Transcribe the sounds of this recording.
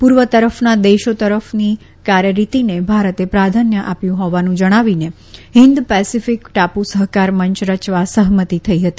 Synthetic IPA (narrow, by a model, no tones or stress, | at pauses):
puɾʋət̪əɾəfnad̪eʃot̪əɾəfni | kaɾjəɾit̪inebʱaɾət̪epɾad̪ʱanjəʔapjũɦɔʋanũd͡ʒəɽ̃aʋine | ɦɪnd̪pɛsifikʈapusəɦkaɾməɲt͡ʃɾət͡ʃʋasəɦmət̪it̪ʰəiɦət̪i